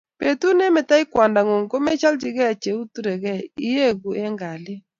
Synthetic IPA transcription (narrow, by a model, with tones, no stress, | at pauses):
pe˨t̪u˦nɛ˦mɛ˨ta˦ɪ˦kwa˨nda˨ŋo˨ŋko˦mɛ˦t͡ʃa˦ld͡ʒɪ˨ɡɛ˦a˨t͡ʃe˨u˦tu˦ɾe˨ɡɛ˦˨i˦je˦ɡu˨ɛ˦ŋɡa˨lɪ˦